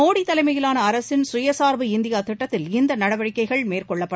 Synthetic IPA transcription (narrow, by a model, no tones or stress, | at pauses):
oːɽit̪ːɐlɐɪmɐjɪlaːnɐːɾɐsɪnsʊjɐsaːɾʋɯɪnd̪ɪjaːt̪ɪʈːɐt̪ːɪlɪnd̪ɐnɐɽɐʋɐɻɪkːɐɪɣɐɭmeːrkɔɭːɐpːɐ